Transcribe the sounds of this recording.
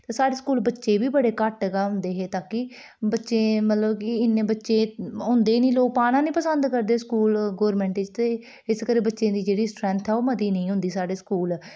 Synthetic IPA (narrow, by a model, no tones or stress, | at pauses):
t̪eːsaːɽeːskuːlbətːʃeːbiːbəɽeːkəʈɡaːɦʊ̃nd̪eːɦeːt̪aːkɪ | bətːʃeːmət̪ləbkɪɪnːẽːbətːʃeːɦʊ̃nd̪eːnĩːloːk̚paːnãːnĩːpəsə̃nd̪kəɾd̪eːskuːlɡoːɾmɛ̃ːɳʈɪd͡ʒt̪eː | ɪskəɾeːbətːʃẽːd̪iːd͡ʒeːɽiːsʈɾɛ̃ːnt̪ʰɛoːməd̪iːnəĩːɦʊ̃nd̪iːsaːɽeːskuːl